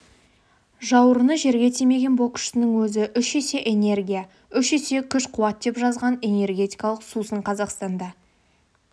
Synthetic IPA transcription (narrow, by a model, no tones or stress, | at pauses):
ʒɑwəɾənəʒe̞ɾɡʲe̞t̪ʰeme̞ɡʲe̞nbo̞kʲʏ̥ʃɪnəŋwɵzɪʔʏʃese̞ʔene̞rɡʲija | ʏʃese̞kʲʰʏʃqʰʊwɑt̪̚d̪e̞pʒɑzʁɑne̞ne̞rɡʲe̞t̪ijkɑlˠəqsusəɴqʰɑzɑqst̪ɑnd̪ɑ